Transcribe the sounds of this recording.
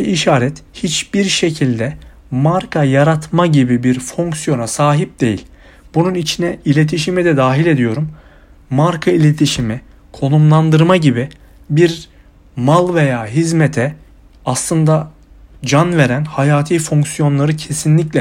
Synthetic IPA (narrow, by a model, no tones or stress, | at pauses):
iʃaːɾɛt̪hit͡ʃb̥iɾʃecʰilʲd̪ɛ | maɾkʰajaɾat̪ʰmaɟibibiɾfoŋksijo̞nasaːɦip̚d̪̥e̞jḭlʲ | b̥ununit͡ʃʰinɛilʲe̞t̪ʰiʃimid̪ɛd̪aːɦilʲe̞d̪ijo̞ɾumː | aɾkʰailʲe̞t̪ʰiʃimi | kʰo̞nˠumlˠand̪ɯɾmaɟibi | biɾ | malˠve̞jaːɦizmet̪ʰɛ | aslˠɯnd̪a | d͡ʒanve̞ɾænhajaːt̪ʰiːfoŋksjo̞nlˠaɾɯcʰe̞sinlʲiclʲɛ